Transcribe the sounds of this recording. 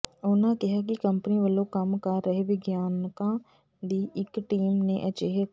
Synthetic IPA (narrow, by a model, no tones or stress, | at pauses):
ʊːnãkɪɦak̬ikə̃mpniʋəlõkəmkaɾəɦeʋɪɡjaːnkã | d̪iːʔɪkʈiːmneʔɐt͡ʃeɦe